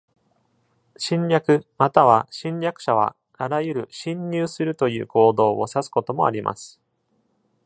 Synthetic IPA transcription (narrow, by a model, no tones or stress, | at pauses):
ɕĩɲɾʲakɯ̟mat̪aβ̞aɕĩɲɾʲjakɯ̟̥ɕaβ̞a̰ | aɾajɯ̟ɾɯ̟ɕĩɲːɨːsɨɾɯ̟t̪o̞jɯ̟̰ːkʰo̞ːd̪o̞ːo̞sasɨ̥ko̞t̪o̞mo̞̰a̰ɾʲimʔa̰sɨ̥